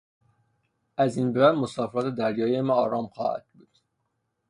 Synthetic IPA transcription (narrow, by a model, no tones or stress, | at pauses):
ʔæzinbebæd̪mosɒːfeɾɒːt̪ʰed̪æɾjɒːiemæɒːɾɒːmxɒ̰ːhæ̰d̪̥̚buːd̪̥